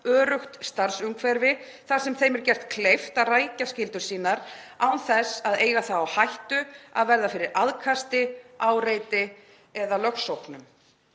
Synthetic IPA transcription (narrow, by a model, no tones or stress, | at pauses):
œːɾʏxt̪st̪aɾ̥sʏŋkʰvɛɾvɪ | θaɾ̥sɛmθejmɛɾcɛr̥t̪kʰlejft̪araːjcascɪlt̪ʏɾ̥siːnaɾawnθɛsaðeːjɣaθawawhajht̪ʏa̰ðvɛɾðafɪɾɪɾaðkʰast̪ɪaːwɾejt̪ɪ | ɛðalœxsowknʏm